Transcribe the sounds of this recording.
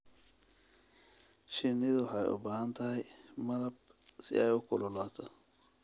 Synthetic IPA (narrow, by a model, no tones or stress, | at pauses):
ʃɪnːɪðʊħɑjʊ̰baːhɐnt̪ʰɐɦɛjmɐɾɐb̚ | sɪ̰ʔɛjʊkʰʊlɔlaːt̪ʰɔ